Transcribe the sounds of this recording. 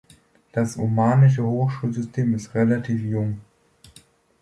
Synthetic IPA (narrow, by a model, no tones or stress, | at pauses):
d̥asumaːnɪʃ̬əhoːxʃuːlzʏstʰeːmɪstʁelatʰiːfjʊŋ